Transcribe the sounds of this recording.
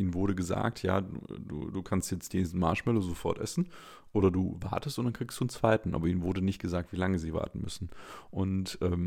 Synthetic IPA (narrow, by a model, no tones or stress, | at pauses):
ʔiːnvʊɐɾəɡəza̰ːk̚tʰja̰ːdṵːdṵːduːkʰanstjɛt͡stj̥eːnsn̩maːʃmɛlozofɔɐtʔɛ̰sn̩ | ʔoːɾɐduːva̰ɐtəstʊntd̥ankʁ̥iːksd̥uːnt͡sv̥aɪtn̩ʔa̰ːbɐʔiːnvʊɐdənɪçt̚ɡ̥əzaːk̚tv̥iːlaŋəziːva̰ɐtn̩mʏ̰sn̩ʔʊntʔɛːm